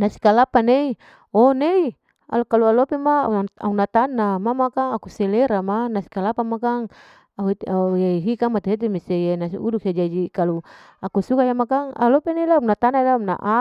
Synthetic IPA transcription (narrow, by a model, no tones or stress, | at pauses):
nasi̥kalapanei | ɔnei | a̰lkalualopɛmaaunat̪anamamakaŋakusɛleɾamanasi̥kalapamakaŋ | aajeiɦikamat̪uɦet̪imisejenasiuduk̚sed͡ʒad͡ʒikalu | akusukajamakaŋa̰lɔpeneilaunat̪analana̰ʔa